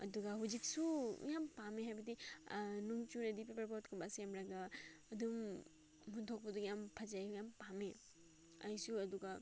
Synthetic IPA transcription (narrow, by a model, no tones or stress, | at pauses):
ɐ̰duɡɐɦuzik̚sujampameɦajbɐdinuŋt͡ʃuɾɐdipepɐɾpotkʰumbasemɾɐɡaːdum | huntʰok̚pɐdujampʰɐzajjampame | ɐ̰jsuɐduɡɐ